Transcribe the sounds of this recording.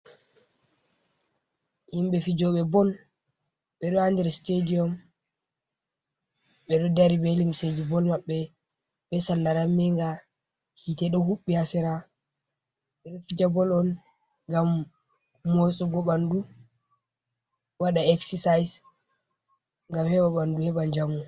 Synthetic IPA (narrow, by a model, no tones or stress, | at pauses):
himbɛfid͡ʒɔɓɛbɔl | ɓɛɗɔandɛɾstediɔm | ɓɛɗɔdaɾibelimsed͡ʒibɔlmaɓːɛ | ɓɛsalːaɾamɛŋɡa | hitɛɗɔhuɓːihasɛɾa | ɓɛɗɔfid͡ʒabɔlɔn | ŋɡamː | ɔsʼɔɡɔɓandu | waɗaɛksɛsajs | ŋɡamhɛɓaɓanduhɛɓaɲd͡ʒamu